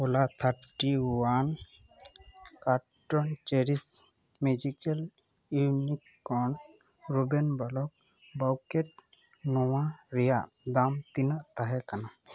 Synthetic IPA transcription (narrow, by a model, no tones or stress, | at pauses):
ɔlat̪ʰaɾʈiwan | kaɾ | ʈɔnt͡ʃeɾis | med͡ʒikel | inikːɔɳ | ɾubɛnbalɔk̚ | bawkeʈ̚ | nɔwaɾɛjaʔ | d̪amt̪inaʔt̪aɦɛkana